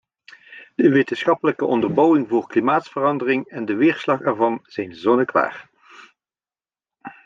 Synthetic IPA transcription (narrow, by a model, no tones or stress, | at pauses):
d̥əʋetənsχɑpələkəʔɔndərbowɪŋvʊːɹklimaːtsfərɑndərɪŋɛndəʋɪːɹslɑχɛɹvɑnz̥ɛjnzɔnəkʋa̰ːr